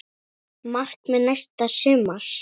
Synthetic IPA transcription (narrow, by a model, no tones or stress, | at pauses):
mar̥kmɛðnajst̪asʏːmal̥